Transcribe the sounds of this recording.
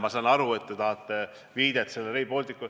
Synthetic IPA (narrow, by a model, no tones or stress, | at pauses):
mɑsɑːnɑɾue̞t̪ːet̪ɑɦɑt̪ːˑe | viːd̪̥et̪ːselːeɾeipo̞lʲt̪ikːu